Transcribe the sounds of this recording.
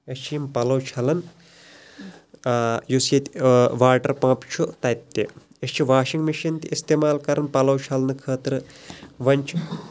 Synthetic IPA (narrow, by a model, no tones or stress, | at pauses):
ɐst͡ʃʰijimpɐlɐwt͡ʃʰɐlɐn | jusjɐt̪ʲʋaːʈɐɾpãːpt͡ʃʰut̪ɐjp̚t̪ʲːe | ɐst͡ʃʰiʋaːʃiŋɡmiʃɐnt̪iist̪eːmaːlkɐɾɐnpɐlɐwt͡ʃʰɐlɐnɨkʰəːt̪ɾɨʋɐnʲt͡ʃʰ